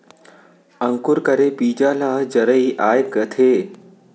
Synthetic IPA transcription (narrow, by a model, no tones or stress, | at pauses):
ɐŋkʊɾkɐɾepiːd͡ʒaːlad͡ʒɐɾəiʔaːjkət̪ʰeː